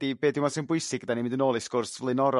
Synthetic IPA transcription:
d̥ibeːdjɪmasɛnbʊɨsɪɡəd̥animɪ̃ndɪnoːlˠɪsɡ̥ʊrsvlˠɪnɔɾɔ

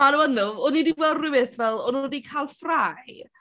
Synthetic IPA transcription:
anɔwənðʊɔnidiwɛlˠdrɪwɪθvɛlˠɔnudikʰalˠfraj

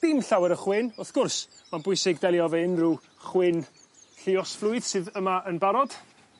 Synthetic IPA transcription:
d̥ɪmɬawɛɾəχwɪnɔθɡ̥ʊrsmanbʊɨsɪɡdɛlˠjɔvɛɪnru | χwɪn | ɬɪɔsflˠʊɨð̥sɨːðəmaʔənbaɾɔd̥

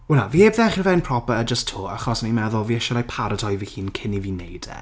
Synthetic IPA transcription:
wɛlnavieːbðɛχnvɛnpʰr̥ɔpəəd͡ʒəstʰoːa̰χɔsnimɛðʊlˠviɛʃɛlapʰaɾətʰɔjvihiːnkʰɪnivinejd̥ɛ̰

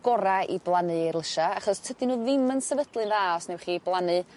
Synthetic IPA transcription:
ɡ̥ɔɾaḭblˠanɨirlˠəʃaaχɔstʰədɨnuːðɪmənsɛvəd̥lˠɨnðaɔsnɛwχiblˠanɨ

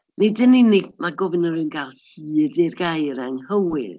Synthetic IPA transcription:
nidəninimaɡɔvɪnəɾɨnɡalˠhiːderɡajɾaŋhəwɪð

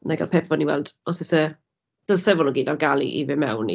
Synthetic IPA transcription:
naɡa̰lˠpʰɛpʰɔniwɛlˠd̥ɔsɪsə | d̥əlsɛvʊlnɔɡiːdarɡalˠḭʔḭvɪmɛwnḭ

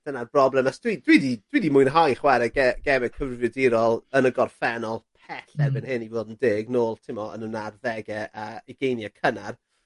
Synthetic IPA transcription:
d̥ənarbrɔblɛmasd̥wid̥widid̥wiːdimʊjnɦajχwɛɾɛɡɛɡ̥ɛmɛ̥kʰəvvjɔdɪɾɔlˠənəɡɔrfɛnɔlˠpʰɛɬɛrbɛnhɪnivoːdəndɪːɡnoːlˠtʰɪmɔə̰nənarðɛɡɛʔaiɡ̥ejnjakʰənar

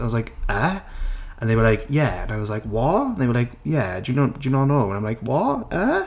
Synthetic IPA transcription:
aɪwʌzlaɪkʌ | ʔə̃nðeɪwə˞laɪkʰjæə̰̃naɪwɒzlaɪkwɔɹ̃nðeɪwə˞laɪkjædɨjɨnoʊ̃nd̥ɨnoʊnoʊwə̃nãɪ̃mlaɪkwɔʔʌ

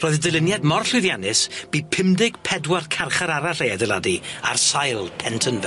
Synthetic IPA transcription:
roːɨðdəlˠɪnjadmɔrɬʊðjanɨsb̥iːpʰɪmdɪɡ̥pʰɛdwarkʰarχaɾaɾaɬejadɛladia̰rsajlˠpʰɛntʰənvɛ

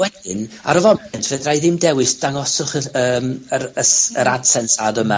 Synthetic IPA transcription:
wɛðɪna̰ɾəvɔɛntʰvədrajðɪmdɛwɪsd̥aŋɔsʊχəəːməɾəsəɾad̥sɛnsadəma

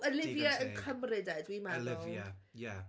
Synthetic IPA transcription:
əlɪvjəənkʰəmrɪdadwimað | a

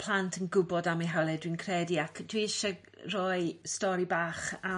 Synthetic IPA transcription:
pʰl̥ˠantʰənɡʊbɔdamiɦawlˠɛdwinkʰrɛdiakʰd̥wiɪʃa | rɔɨstɔɾibaːχa

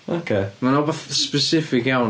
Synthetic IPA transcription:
o̰kʰeːmanɔbaθspɛsɪfɪkjaw

